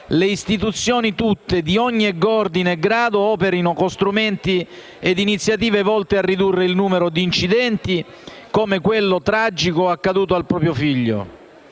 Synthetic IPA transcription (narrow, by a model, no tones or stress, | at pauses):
leist̪it̪ut̪sːjoːnit̪ut̪ːed̪iɔɲːiɛɡɔrd̪inɛɡːɾaːd̪oɔːpeɾinokost̪ɾumɛnt̪i | ed̪ːinit̪sːjat̪iːvevɔlt̪earːid̪urːeilnuːmeɾod̪iːnt͡ʃid̪ɛnt̪i | koːmekwelːot̪ɾad͡ʒikoakːad̪uːt̪oalpɾɔːpɾjofiʎːo̰